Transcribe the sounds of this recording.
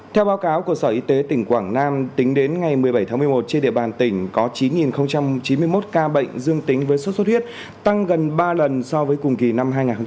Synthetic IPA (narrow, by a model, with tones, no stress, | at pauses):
t̪ʰɛ˧wɓaː˨˦wkaː˨˦wku˧˩əsəː˧˩ʔi˧t̪e˨˦t̪ï˧˩ŋ̟kwaː˧˩ŋnaː˧mt̪ï˨˦ŋ̟ɗe˨˦nŋa˨˩jmɨ˨˩əjɓa˧˩jt̪ʰaː˨˦m˧əjmo˨˩t̚t͡ɕe˧nɗḭ˧˨əɓaː˨˩nt̪ï˧˩ŋ̟kɔ˨˦t͡ɕi˨˦nŋi˨˩nxə˧wŋ͡mt͡ɕa˧mt͡ɕi˨˦nmɨ˧əjmo˦˥t̚kaː˧ɓə̰˧˨jŋ̟zɨ˧əŋt̪ï˨˦ŋ̟vəː˨˦jso˦˥t̚so˦˥t̚hwi˦˥ət̚ | t̪a˧ŋɣə˨˩nɓaː˧lə˨˩nsɔ˧vəː˨˦jkʊ˨˩ŋ͡mki˨˩na˧mɦaː˧jŋaː˨˩nxə˧ŋ͡m